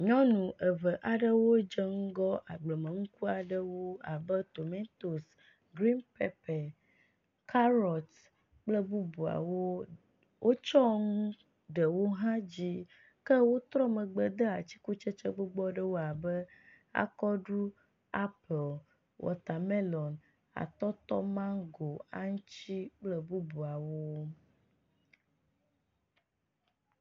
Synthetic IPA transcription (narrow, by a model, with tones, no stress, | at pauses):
ɲɔ̃˦nũ˨ʔə˨və˨ʔa˨ɖə˦wo˦d͡ʒə˦ŋu˦ɡɔ˦ʔa˨ɡ͡blə˨mə̃˨ŋũ˦ku˦a˨ɖə˦wo˦a˨bə˦t̪o˨mẽ˦t̪o˨s | ɡɾi˦npɛ̰˨pɛ˨ | kʰa˦ɾɔ˨t̪ | k͡plə˦bu˦bu˨a̰˨wo˦ | wʔo˦t͡ʃɔ˦ŋũ˦ | ɖə˨wo˦ɦã˦d͡ʑi˦ | kə˦wo˦t̪ɾɔ˦mə˨ɡ͡bə˨d̪ə˦a˨t͡ɕi̥˦ku˦t͡ʃe˦t͡ʃə˦ɡ͡bo˦ɡ͡bɔ˦ɖə˦wo˦a˨bə˦ | a̰˨kɔ˦ɖu˦ | a˦pe˨l | wʔɔ̰˨t̪a˨me˦lɔ˨n | a̰˨t̪ɔ˦t̪ɔ˦mã˦ɡo˨a˦ŋũ˦t͡ɕi˦k͡plə˦bu˦bu˨a˨wo˦